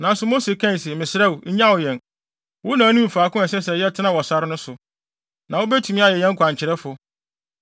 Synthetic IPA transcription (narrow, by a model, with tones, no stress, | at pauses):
nã˨n˦sʊ˨˦mo˦se˨kʰã˦n˨se˨mɪ̃˨sɪ˨ɾɛ˦wʊ˨ɲ̩˦ɲã˦wʊ˨jɛ̃˨n | wʊ˦nã˨˦nũ˦m̩˨faː˨kʊ̃˦ɛ˨sɛ˦sɛ˨jɛ˦tʰɪ˦nã˦˨wɔ˨sa˦ɾɪ˦nʊ̃˦sʊ˨ | nã˨wo˦bɛ˦tʰu˨mĩ˦a˨jɛ˨jɛ̃˦ŋkʰʷã˨ɲ˨t͡ɕʰɪ˨ɾɛ˦fʊ˨